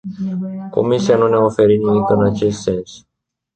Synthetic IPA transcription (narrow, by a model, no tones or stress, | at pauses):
ko̞̰misianuneofe̞ɾinimikɨnat͡ʃe̞st̪se̞ns